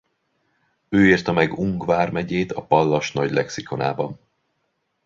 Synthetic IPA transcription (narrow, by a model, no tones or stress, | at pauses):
øːirt̪ɒmɛɡuŋɡvaːrmɛɟeːt̪ɒpɒlːɒʃn̪ɒɟlɛksiko̞na̰ːbɒn